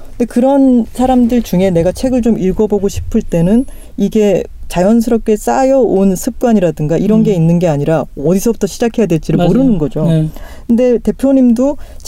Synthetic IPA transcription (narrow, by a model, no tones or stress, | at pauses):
ɯnde̞kɯɾʌnsʰaɾamdɯɭt͡ɕuŋe̞ne̞ɡat͡ɕʰe̞ɡɯɭt͡ɕomiɭɡʌboɡoɕʰi̥pʰɯɭt͈e̞nɯn | iɡe̞t͡ɕajʌns̬ʰɯɾʌp̚k͈e̞s͈ajʌonsʰɯp̚k͈waɲiɾadɯŋɡaʔiɾʌnɡe̞inːɯnɡe̞aɲiɾaʌdisʰʌbutʰʌɕʰid͡ʑakʰe̞jadwe̞ɭt͡ɕ͈iɾɯɭmoɾɯnɯnɡʌd͡ʑokʰɯnde̞te̞pʰjoɲimdot͡ɕ